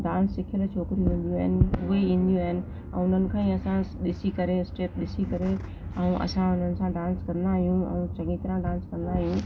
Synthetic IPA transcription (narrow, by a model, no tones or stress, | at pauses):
d̪ãːnsːɪkʰjəlt͡ʃʰoːkɪɾiuʋẽːn̆d̪ijũaːɦɪnɪ̆ʊeĩːn̆d̪ijũaːɦɪnɪ̆ | ɛ̰̃ːʊn̤ənɪ̆kʰãːĩɐsãɗɪsikɐɾesʈeːp̚ɗɪsikɐɾe | ɛ̃ũʔɐ̰sãʊn̤ənɪ̆sãɖãːnskɐ̃nd̪aːɦijũɛ̰̃ũt͡ɕɐŋit̪ɾãɖãːnskɐ̃nd̪aːɦijũ